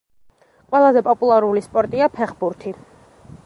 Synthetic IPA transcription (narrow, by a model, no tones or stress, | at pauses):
qʼwɛlˠazɛpʼɔpʼulˠaɾulispʼɔɾt̪ʼiapʰɛχbuɾt̪ʰi